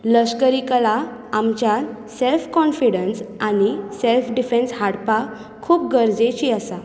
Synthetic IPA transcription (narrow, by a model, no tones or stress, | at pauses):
ləskəɾikəlaamt͡ɕjaselfkɔnfiɽənsañiselfɖifẽnshaɽpa | kʰuːp̚ɡəɾd͡zet͡ɕiasa